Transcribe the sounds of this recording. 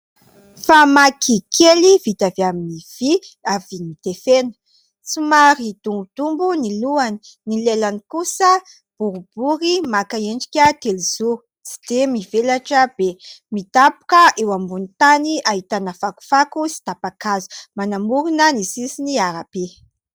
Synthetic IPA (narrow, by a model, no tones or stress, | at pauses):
famakʰikʰelivit̪aveaminiv̥iavinit̪efenə̥ | sumaɾid̪̥umbud̪̥umbuniluani̥nilelanikusə | b̥uɾub̥uɾimakaeɳɖ͡ʐi̥kʲət̪eliz̥u | t͡si̥d̪emivelaʈ͡ʂəb̥emit̪apu̥kəʔewambunit̪aniaɦit̪anəfaku̥fakusi̥t̪apakazu̥manamuɾunənisisiniaɾape